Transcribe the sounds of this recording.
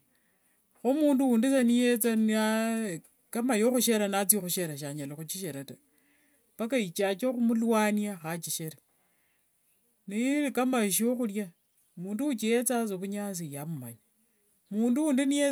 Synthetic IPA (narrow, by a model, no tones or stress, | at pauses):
xomuːnduwundisanijet͡san | kamajoxuʃeɾanat͡sixuʃeɾaʃ̬aɲalixut͡ʃiʃeɾata | pakait͡ʃat͡ʃoxumulwaːniaxat͡ʃiʃeɾa | niikamaʃioxulja | muːnduwut͡ʃijet͡sas̬okuɲas̬ijamuma̰ɲa | muːnduwuːndinije